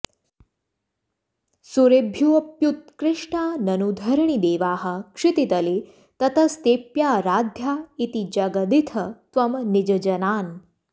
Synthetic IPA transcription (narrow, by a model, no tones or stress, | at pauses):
suɾebʱjuʋɐpjut̪̚kɾɪʂʈaːnɐnud̪ʱɐɾɳid̪eːʋaːɦɐ̆kʂɪt̪it̪ɐli | t̪ɐt̪ɐst̪eːpjaːɾaːd̪ʱjaːit̪id͡ʒɐɡɐd̪it̪ʰɐt̪ʋɐmnid͡ʒɐd͡ʒɐnaːn